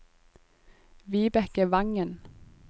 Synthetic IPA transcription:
ʋiːbɛkəʋɑŋən

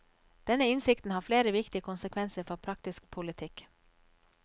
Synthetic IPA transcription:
d̪̥ɛnəɪnsɪkt̪n̩hɑːɾfleːɾəʋɪkt̪ɪəkʰʊnsəkʰʋɛnsəɾfɔpʰɾɑk̚t̪ɪsk̚pʰʊlɪt̪ʰɪk

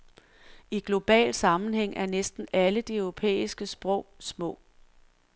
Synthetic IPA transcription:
iɡ̥lo̝b̥ɛ̰ːl̥sɑ̈mn̩heŋ̰æɐnesd̥n̩æləd̥iœʊʁo̝pʰḛːisɡ̥əsb̥ʁɔ̽ʊ̰smɔ̰̽ː

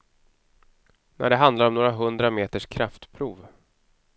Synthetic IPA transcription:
nʔæ̰ɖɛɦand̪laɾɔmnoːɾaɦɵnd̪ɾameːt̪əʂkʰɾaft̪pʰɾuːv

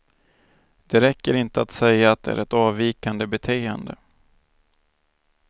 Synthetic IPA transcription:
d̪̥ɛɾɛkːəɾɪnt̪əat̪sɛjːaːt̪̚d̪ɛæ̰ɾɛt̪ɑːviːkand̪əbɛt̪ʰeːənd̪ə̰

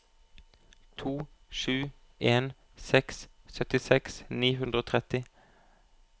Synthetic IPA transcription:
t̪ʰuː | ʃʉː | eːn | sɛks | sœt̪ɪsɛksniːhʉnd̪ʁəoːt̪ʰʁɛt̪ɪ

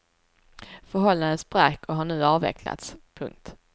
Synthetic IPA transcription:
fœɾɦɔlːand̪ənsbɾakːɔɦaɳʉ̟ːɑːvɛ̰kʰla̰t̪spʰɵ̰ŋk̚t̪

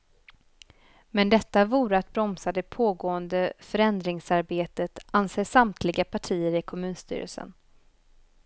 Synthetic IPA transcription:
mɛnd̪ɛt̪ːavuːɾəat̪̚bɾɔmsad̪ɛpʰoːɡoːənd̪əfœɾɛnd̪ɾɪŋsaɾbeːt̪ət̪anseːʂamt̪ʰlɪɡapʰaʈʰiːəɾɪkʰɔmʉ̟ːnst̪ʰy̰ːɾə̰lsə̰n

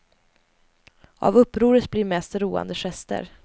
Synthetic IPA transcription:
a̰vɵpːɾuːɾət̪blɪːɾmɛst̪ɾuːa̰nd̪əɧɛst̪ə̰ɾ

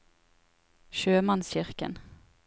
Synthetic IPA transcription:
ʃøːmɑnsçʏʁkə̰n

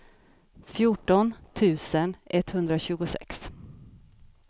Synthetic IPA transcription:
fjʊʈɔnt̪ʰʉ̟ːsənʔɛt̪ːhɵnd̪ɾaɕʉ̟ːɡʊsɛ̰ks

